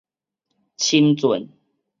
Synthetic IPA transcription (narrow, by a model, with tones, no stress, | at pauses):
t͡ɕʰi˦nt͡swə˨˦n